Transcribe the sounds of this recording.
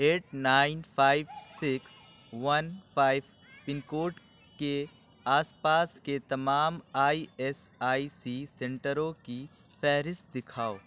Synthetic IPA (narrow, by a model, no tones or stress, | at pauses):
eːʈnaːɪnpʰaːɪʋsɪks | ʋɐnpʰaːɪʋ | pɪnkoːʈ | ke | aːspaːsket̪ɐmaːmaːiɛsaːisisɛ̃ɳʈəɾõki | fʰɛːɾɪst̪̚d̪ɪkʰaːoː